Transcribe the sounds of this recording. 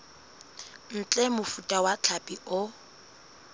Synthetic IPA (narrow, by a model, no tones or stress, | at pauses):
n̩t͡ɬʼɛmʊfutʼawat͡ɬʰapʼiʔʊ